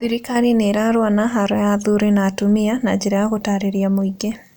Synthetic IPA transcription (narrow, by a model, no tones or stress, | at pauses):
biɾikaɾineɾaɾwanaɦaɾɔjaðuɾenatomianad͡ʑeɾajaɣotaɾeɾjamoiɡe